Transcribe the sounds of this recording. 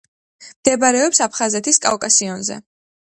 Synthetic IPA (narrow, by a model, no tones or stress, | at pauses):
md̪̥ɛbaɾɛɔpsapʰχazɛt̪ʰiskʼa̰vkʼasiɔnzɛ̰